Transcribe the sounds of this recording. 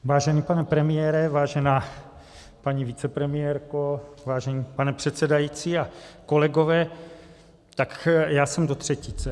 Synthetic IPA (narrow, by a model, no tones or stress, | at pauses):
vaːʒɛnipanɛpɾɛmɪjɛːɾɛvaːʒɛnaː | paɲivɪt͡sɛpɾɛmɪjɛɾkovaːʒɛɲiːpanɛpr̥ɛt̪sɛdajit͡siːakolɛɡovɛː | t̪akjaːsɛmdot̪r̥ɛcit͡sɛ